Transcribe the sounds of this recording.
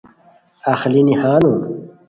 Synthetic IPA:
axlinihaːnũ

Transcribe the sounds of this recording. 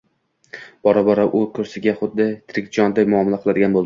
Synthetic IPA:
b̥ɒɾabɒɾaʔʊkʰɵɾsɪɡʲaχʊd̪ːɪt̪ʰɪɾɪkʲd͡ʒɒnd̪ajmʊɒmalaqʰɨlˠad̪ɪɡʲanbolˠd̪ɪ

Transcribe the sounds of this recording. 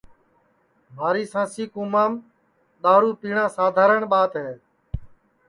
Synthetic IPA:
maːɾiːsãːsiːkũːmãːm | ɗ̪aːɾuːpiːɳãːsaːd̪ʱaːɾəɳɓaːt̪ɦeː

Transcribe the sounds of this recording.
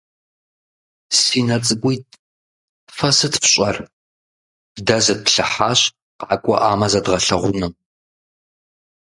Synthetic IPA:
siːnɐt͡sʼɨɡʷʊjt̚ʼʰ | fɐsɨtfɕʼɐr | bdɐzɐt̚ɬɐħaːɕ | qaːkʷʼɔ̰ʔaːmɐzɐdʁɐɬɐʁʷʊnɨm

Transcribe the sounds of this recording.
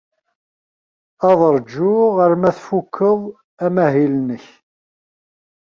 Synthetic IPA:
ɑðˤɾˤd͡ʒʊʁəɾmæθfukʰːəðˤ | æmæɦilnəç

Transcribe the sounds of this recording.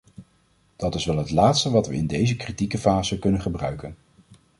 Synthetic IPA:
d̥ɑtɪsʋɛlˠɦətlaːtstəʋɑtʋə̰ɪndejzəkritikəfaːzəkɵnənχəbrœ̰ɥkən

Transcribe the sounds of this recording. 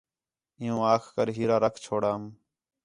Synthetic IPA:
ɪjõːaːkʰkəɾɦiːɾaːɾəkʰt͡ʃʰoːɽaːm

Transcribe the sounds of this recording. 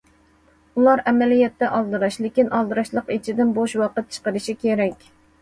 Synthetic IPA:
ulˠɑɾɛmɛlijɛt̪ʰːɛʔɑlˠd̪ɨɾɑʃlɪkʲinʔɑlˠd̪ɨɾɑʃlˠəqit͡ʃʰid̪ɪnboʃwɑqət̪̚t͡ʃʰə̥qəɾɪʃikʲʰeɾɛkʲ

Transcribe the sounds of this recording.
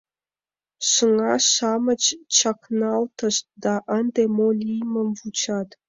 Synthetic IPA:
ʃə̆ŋɑʃɑmə̆t͡ɕt͡ɕɑknɑlˠt̪ɤ̆ʃd̪ɑʔənd̪emolʲijmə̆mvut͡ɕɑt̪

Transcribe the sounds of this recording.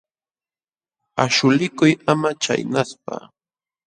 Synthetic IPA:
aʃʊlɪkʊjamat͡ʃa̰jnaspa̰

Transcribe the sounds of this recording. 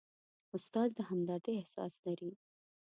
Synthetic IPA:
ʊst̪ɑzd̪əɦamd̪ɑɾt̪eːhsɑ̰slaɾi

